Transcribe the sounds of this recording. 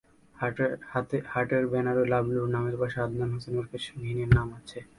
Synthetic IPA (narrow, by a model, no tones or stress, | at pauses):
t̪ehaʈeɾbɛnaɾolabluɾnameɾbaʃead̪nanɦosenoɾkeʃnʱineɾnamat͡ɕʰe